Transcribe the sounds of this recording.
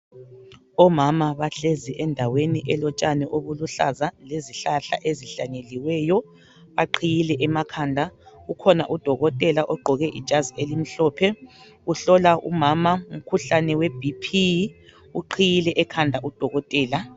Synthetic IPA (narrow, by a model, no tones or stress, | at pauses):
ɔmamaβaɬeziʔɛndʱaweniʔɛlɔt͡ʃʼanɛʔoβuluɬazaleziɬaɬa̰ʔeziɬaɲeliwɛjɔ | βaǃʰijilɛʔɛmakʰandʱaukʰɔnaʔud̥ʱɔɣɔtʼɛlaʔɔɡ͡ǃʱɔɣɛʔḭ̥ʒ̥ʱazielim̩ɬɔpʰɛ | uɬɔlaṵmamaum̩kʰuɬanɛweb̥ʱipʰi | uǃʰijilɛʔɛkʰandʱaʔud̥ʱɔɣɔtʼɛːla